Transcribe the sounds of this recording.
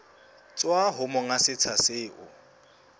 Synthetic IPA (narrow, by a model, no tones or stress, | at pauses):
t͡sʼwaɦʊmʊŋasɪt͡sʰasɪːʔʊ